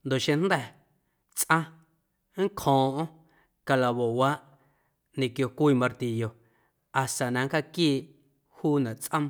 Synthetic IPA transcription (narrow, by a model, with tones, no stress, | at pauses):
nd̪o˨ʔʃẽ˧n̥d̪ɛ˧˨ | t͡sʔã˦ | ŋ̩˦kʰhɔ̃ː˨ʔõ˦ | ka˧la˨βo˨waː˦ʔ | nẽ˨kjo˧kʷiː˧˨mã˧ɾt̪i˧˨jo˧ | a˨st̪a˨nã˨ŋ˦ka˧kiː˦˨ʔ | huː˦nã˨ʔt͡sʔə̃˦m